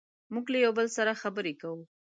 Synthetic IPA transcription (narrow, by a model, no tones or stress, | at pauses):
muɡlajawbəlsaɾaxabəɾekawu